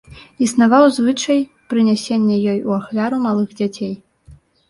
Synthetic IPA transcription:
isnavawzvɨt͡ʂɐj | pɾɨnʲasʲenʲːɛjɔjuaxlʲaɾumalˠɨɣd͡zʲat͡sʲej

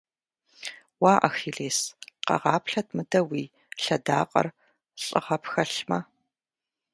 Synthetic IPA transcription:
waːʔɐxiːɮeːsqɐ̰ʁɑːpʰɬɐt̚ʰmɨdɐwiː | ɬɐdaːqʼɐ̰r | ɕʼɨ̰ʁɐpʰxɐɬmɐ

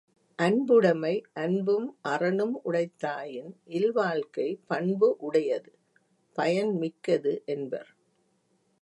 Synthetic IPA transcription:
ʔɐnbɯɽɐmɐɪʔɐnbɯmʔɐrɐnɯmʊɽɐɪt̪ːaːjɪnʔɪlʋaːɭkɐɪpɐɳbɯʔʊɽɐjɐðɯ | pɐjɐnmɪkːɐðɯʔɛnbɐ̰ɾ

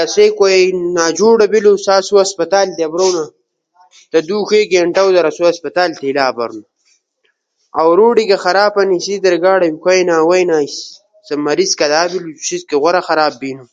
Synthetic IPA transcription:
ɐseːkʷojnaːd͡ʒuːɽɐbilusaːsuɐspɐt̪aːlt̪eɐbɾoːna | t̪ɐd̪uːxeːɡeːɳʈɐwd̪ɐɾɐsuɐspɐt̪aːlt̪elaːbɐ̰ɾnu | awɾuːɖiɡɐxɐɾaːpɐnisid̪ɐɾɡaːɽɐkʰʷajnaːwɐjnaːis | sɐmːɐɾiskɐd̪aːbilu̥ɕizkeɣʷɐɾɐxɐɾaːbːiːnu

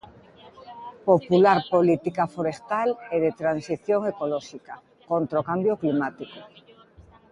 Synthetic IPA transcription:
populaɾpolit̪ikafoɾest̪aleðet̪ɾansiθjoŋekolɔʃika | kont̪ɾokambjoklimat̪iko

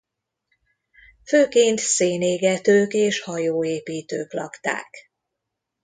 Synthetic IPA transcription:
føːkeːnt̪seːneːɡɛt̪øːkeːʃhɒjoːeːpiːt̪ø̰ːklɒkt̪a̰ːk

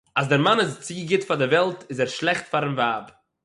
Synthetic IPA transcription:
azdɪɾmanɪst͡siːɡɪtfadɪvɛlˠtɪzɛɾʃlˠɛχtfaɾɪmvaːb

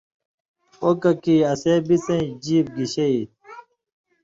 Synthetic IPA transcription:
okɐkiɐseːbit͡sẽd͡ʑiːp̚ɡiɕeit̪̚

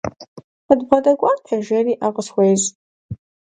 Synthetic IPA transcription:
ədbʁɐdɐɡʷʼaːtʰɐʒɐriːʔaʁəswʷejz

